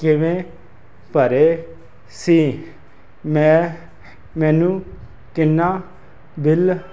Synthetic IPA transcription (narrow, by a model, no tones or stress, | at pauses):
kɪʋẽː | pəɾeː | siː | mɛ̃ː | mɛ̃ːnũː | kɪnːaː | bɪl